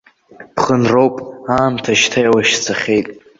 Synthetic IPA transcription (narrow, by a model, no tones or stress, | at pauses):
pχənrowpʼaːmtʰaʃtʰajwaʃt͡sʰaχʲe̞jtʼ